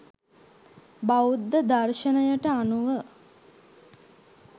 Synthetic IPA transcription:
baud̪ːəd̪arʃənəjəʈəanuʋə

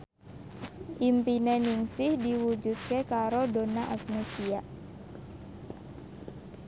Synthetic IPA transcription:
ʔimpineniŋsɪhdiwud͡ʒut̪̚kekaɾodonaʔak̚nesiaʔ

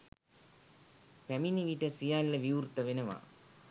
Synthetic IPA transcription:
pæminiʋiʈɐsijaːlilɐʋijuːɾt̪ɐʋenɐʋa̰ː

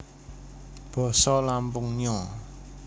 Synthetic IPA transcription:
b̥ɔ̤sɔlampʊŋɲɔ

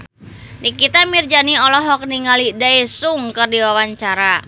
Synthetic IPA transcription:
nikit̪amird͡ʒaniɔlɔɦɔk̚niŋalidaesuŋkərdiwawaɲt͡ʃaɾa

